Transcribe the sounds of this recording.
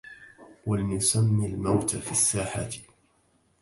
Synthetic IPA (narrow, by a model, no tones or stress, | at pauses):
walnʊsamːilmawt̪afiasːaːħa̰t̪